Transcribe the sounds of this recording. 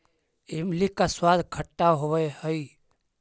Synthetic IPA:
emlikaswad̪ʱkʰəʈːaɦoʋəjhəi

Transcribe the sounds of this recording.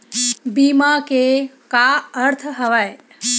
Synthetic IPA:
bimake | kaəɾt̪ʰɦəʋaj

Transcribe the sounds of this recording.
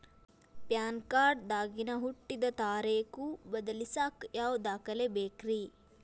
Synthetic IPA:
pjaːnkaːɾɖd̪aːɡinɐɦuʈːid̪ɐt̪aːɾeːkubɐd̪ɐlisaːkjaːwd̪aːkɐlebeːkɾiː

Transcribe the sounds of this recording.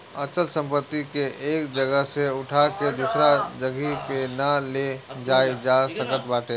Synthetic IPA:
ɐt͡ʃəlsə̃mpət̪ːikeʔeːkd͡ʒɐɡəɦseʊʈʰaked̪usɾad͡ʒɐɡipenaled͡ʒaːed͡ʒasɐ̃ŋkət̪baːʈʰeː

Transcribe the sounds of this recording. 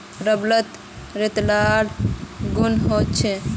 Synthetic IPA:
ɾəblət̪ | ɾet̪laɾɡunɦot̪t͡ʃʰɛ

